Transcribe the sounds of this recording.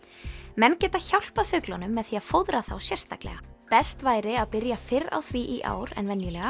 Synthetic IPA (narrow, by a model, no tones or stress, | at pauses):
mɛnːcɛːt̪açawl̥pafʏklɔnʏmːɛðθiaðfowðɾaθawsjɛr̥st̪a̰klɛ̰ɣapɛst̪vaːjɾɪaðpɪɾjafɪra̰wθviʔiʔa̰ːwɾɛ̰nvɛnjʏlɛɣa